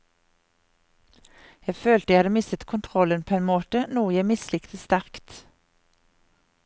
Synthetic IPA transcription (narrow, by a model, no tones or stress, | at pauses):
jæføːlt̪əjæhɑd̪əmɪsət̪kʰʊnt̪ʰʁɔlənpʰoːeːnmoːt̪ənuːjæɪmɪslɪkt̪ʰəst̪æʁkt̪